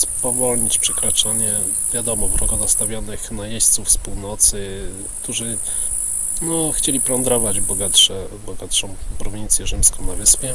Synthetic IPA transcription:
spɔvɔlɲit͡ɕpʂɛkɾat͡ʂaɲɛ | vʲjad̪ɔmɔvɾʔɔɡɔnast̪avʲjɔnɘxnajeɕt̪sufspuwnɔt̪sɘ | kt̪uʐɘ | nɔxt͡ɕelʲipɾɔnd̪ɾɔvad͡ʑbɔɡat̪ʂɛbɔɡat̪ʂɔ̃w̃pɾɔvʲint̪sʲjɛʐɘmskɔ̃w̃navɘspʲjɛ

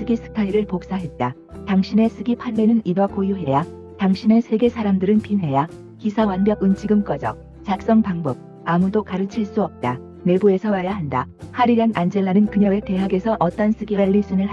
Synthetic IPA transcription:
sɯɡisʰɯ̥kʰaiɾɯɭpok̚s͈aɦe̞t̚t͈a | taŋɕʰine̞sʰɯɡipʰanme̞nɯninakojuɦe̞ja | taŋɕʰine̞sʰe̞ɡe̞sʰaɾamdɯɾɯnpʰimɦe̞ja | kisʰawanbjʌɡɯnt͡ɕʰiɡɯmk͈ʌd͡ʑʌ | t͡ɕak̚s͈ʌŋpaŋbʌb̚ | amudokaɾɯt͡ɕʰiɭs͈uʌp̚t͈a | ne̞bue̞sʰʌwajaɦandahaɾiɡanʔand͡ʑe̞ɭːanɯnkɯɲʌɡe̞te̞ɦaɡe̞sʰʌʔʌt͈ʌns͈ʰɯɡiɾaɭːis͈ʰɯnɯɭɦa

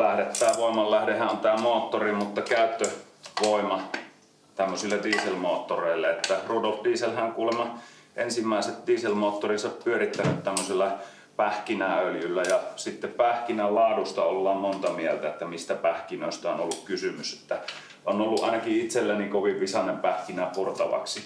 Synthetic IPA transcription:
læhdet̪ːæːʋoˑimɑllːæhdehˑæʔʔont̪æːmoːt̪ːorimut̪ːɑkæˑøt̪ːø | ʋoˑimɑ | t̪æmːøsilːɑdiːselmoːt̪ːoreˑilːeet̪ːæruːdolt̪diːselhæŋkuːlemɑ | ʔensimːæˑeset̪diːselmoːt̪ːorisɑppyørit̪ːænøt̪t̪æmːøselːɑ | pæhkinæøljylːæjɑsit̪ːeppæhkinælɑːdust̪ɑolːɑːmmont̪ɑmielt̪æet̪ːæmist̪æpæhkinøˑest̪æonolːukkysymyse̥t̪ːæ | onolːuʔʔɑ̰ˑenɑkiit̪selːænikoʋiʋʋisɑnempæhkinæpurt̪ɑʋɑ̰ksi

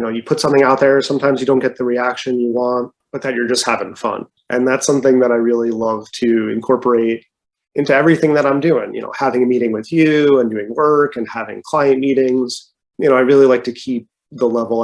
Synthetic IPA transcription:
jɨnoʊjɨpʰʊtsʌ̃mθɪ̃ŋaʊt̪̚ðə˞sʌ̃mtʰãɪ̃mzjɨdõʊ̃nɡɛt̪̚ðɨɹiækʃɨ̃njɨwɑ̃nt̚b̥ʌt̪̚ðɨt͡ʃə˞d͡ʒʌst̚hævɪ̃ŋfʌ̰̃n | ʔɨ̃nðætsʌ̃mθɪ̃ŋðɨɾaɪɹɪlˠilʌv̥tʰɨɨ̰̃nkʰɔɹpə˞eɪɾ | ʔɪ̃ntʉɛvɹiθɪ̃ŋðɨɾãɪ̃mdʉɪ̃ŋjɨ̰no̰ʊhævɪ̃ŋɨmiɾɪ̃ŋwɨðjʉə̃ndʉɪ̃ŋwɜ˞kɨ̃nhævɪ̰̃ŋkʰl̥aɪɨ̃nmiɾɪ̃ŋz̥ | jɨnoʊaɪɹɪlˠilaɪk̚tʰɨkʰip̚ | ðəlɛvl̩ˠ

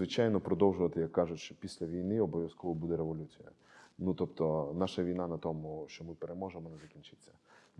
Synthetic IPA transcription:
ʋɪt͡ʃajnɔpɾɔd̪ɔwʒʊʋɐt̪ɪjɐkːɑʒʊʃt͡ʃt͡ʃɔpʲisʲlʲɐʋʲijnɪɔbɔʋʲjɐskɔʋɔbud̪ɛɾeʋɔlʲut͡sʲijɐ̰ | nut̪ɔpt̪ɔnɑʃɐʋʲijnɑnɐt̪ɔmʊʃt͡ʃɔmɪpeɾemɔʒemɔnɛzɐkʲinʲt͡ʃɪt͡sʲːɐ

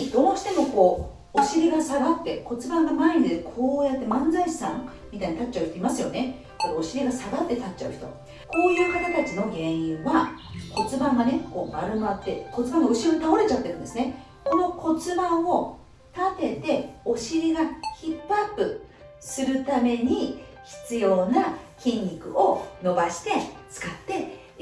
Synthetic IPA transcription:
d̪o̞ːɕi̥t̪e̞mo̞ko̞ː | oɕiɾʲiɡasaɡat̪ːe̞ko̞t͡sɨbãŋɡamaiɲ̟id̪ekʰo̞ːjat̪ːe̞mãnd͡zaiɕi̥sãŋ | mʲit̪aiɲ̟it̪at͡ɕaɯ̟ç̥it̪o̞imasɨjo̞ne̞ | koo̞ɕiɾʲiɡasaɡat̪ːe̞t̪at͡ɕt͡ɕːaɯ̟çi̥t̪o̞̰ | ko̞ːjɯ̟ːkat̪at̪at͡ɕino̞ɡẽ̞ɰ̃ĩɰ̃βako̞t͡sɨbãŋɡane̞ko̞ːmaɾɯ̟mat̪ːe̞̰ko̞t͡sɨbãŋɡaɯ̟ɕiɾoɲt̪aoɾe̞t͡ɕat̪ːe̞ɾɯ̟̃nd̪esɨne̞ | ko̞no̞ko̞t͡sɨbãɰ̃o̞ | t̪at̪e̞t̪e̞o̞ɕiɾʲiɡaçipːapːɯ̟ | sɨɾɯ̟t̪ame̞ɲ̟i | çi̥t͡sɨjo̞ːnakʲĩɲʲɾʲikɯ̟̰o̞no̞baɕi̥t̪e̞t͡sɨ̥kat̪ːe̞

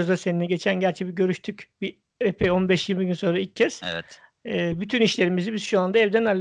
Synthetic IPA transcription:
zd̪ase̞ninɛɟe̞t͡ʃʰænɟæɾt͡ʃʰɛbiɟø̞ɾyʃt̪ʰycbi | epʰɛo̞nbɛʃjiɾmiɟynso̞nɾailʲcʰːɛsɛ̰t̪ː | byt̪ʰyniʃlʲe̞ɾimizibiz̥ʃuand̪aɛvd̪ænæɾlʲː

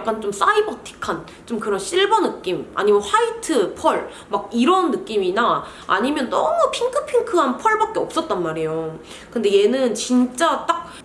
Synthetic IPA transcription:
k͈ant͡ɕoms͈aibʌtʰi̥kʰan | t͡ɕ͈omkɯɾʌnɕ͈iɭbʌnɯk͈ima̰ɲimʌnɸaitʰɯpʰʌɭ | maɡiɾʌnːɯk͈imina | a̰ɲimjʌndʌmupʰiŋkʰɯpʰiŋkʰɯɦanpʰʌɭbak̚k͈e̞ʌp̚s͈ʌt̚t͈anmaɾejo | kɯnde̞je̞nɯnt͡ɕint͡ɕ͈at͈ak̚

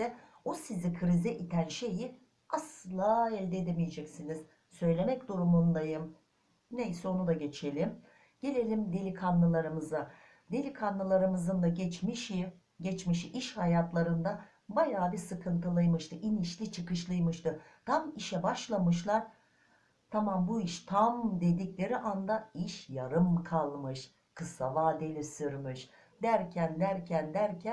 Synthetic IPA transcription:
ɛ | osizikʰɯɾizɛʔit̪ʰænʃe̞ji | aslˠaːɛlʲd̪ɛed̪emijed͡ʒɛcsiniz̥ | sø̞jlʲe̞mɛcd̪uɾumund̪ˠajɯm | ne̞jsɛo̞nud̪aɟe̞t͡ʃʰe̞lʲim | ɟ̥e̞lʲe̞lʲimd̪e̞lʲikʰanːɯlˠaɾɯmɯza | d̪e̞lʲikʰanːɯlˠaɾɯmɯzɯnd̪aɟɛt͡ʃmiʃi | ɟɛt͡ʃmiʃiʔiʃhajat̪lˠaɾɯnd̪a | bajaːbisɯkʰɯnt̪ʰɯlˠɯjmɯʃt̪ʰɯʔiniʃlʲit͡ʃʰɯkɯʃlˠɯjmɯʃt̪ɯt̪ʰamiʃɛbaʃlˠamɯʃlˠaɾ | t̪ʰamambuiʃt̪ʰamd̪e̞d̪iclʲe̞ɾiʔand̪aiʃjaɾɯmkʰalˠmɯʃ | kʰɯsavaːd̪elʲisyɾmyʃ | d̪æɾcʰænd̪æɾcʰænd̪æɾcʰæ

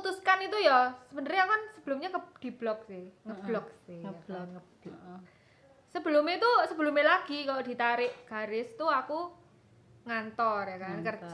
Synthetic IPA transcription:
ut̪uskanit̪ujɔsəb̥ənəɾijakɔnsəb̥əlʊmɲakəd̪̥i̤b̥lɔk̚sɪhŋəb̥lɔksɪhɔŋəbɔk | səb̥əlʊmet̪usəbəlʊmelaɡ̥ikalod̪̥i̤t̪aɾɪʔɡ̥a̤ɾɪst̪uaku | ŋant̪ɔrjakankər

